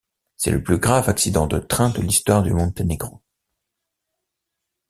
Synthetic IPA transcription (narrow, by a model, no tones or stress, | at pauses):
sɛ̰lə̰plyɡʁavaksid̪ɑ̃d̪ət̪χɛ̃d̪əlist̪waʁd̪ymɔ̃d̪t̪eneɡʁɑ̃